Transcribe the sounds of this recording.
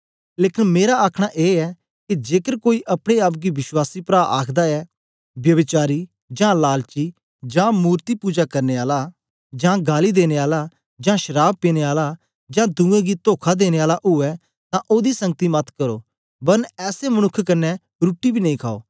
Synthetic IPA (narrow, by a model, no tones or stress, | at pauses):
leːkɪnmeːɾaaːkʰɽ̃aʔeːɛ | kid͡ʒeːkəɾkoːiʔɐpɽ̃eaːp̬̚ɡiʋɪswaːsipɾaːʔa̰ːkʰd̪aɛ | bjɐbɪt͡ʃaːɾi | d͡ʒãːlaːlt͡ʃiː | d͡ʒãːmuːɾt̪ipuːd͡ʒakɐɾneaːla | d͡ʒãːɡaːlid̪eːneaːla | d͡ʒãːʃəɾaːb̚peːneaːla | d͡ʒãːd̪ũːẽɡit̪oːkʰad̪eːñeaːlaʔɦʊɛ | t̪ãʔoːd̪isɐ̃ŋɡət̪imɐt̪ʰkəɾo̰ː | bɐnɛːsemɐñʊkʰːkɐnːɛ | ɾuːʈːibʱiːnɐ̃ĩːkʰaːo̰ː